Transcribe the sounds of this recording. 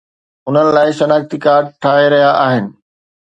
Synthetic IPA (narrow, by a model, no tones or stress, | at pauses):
ʊn̤ənɪ̆laːɪʃɐnaːxt̪ikaːɾɖ̚ʈʰaːɦeɾɐɦijaʔaːɦɪnɪ̆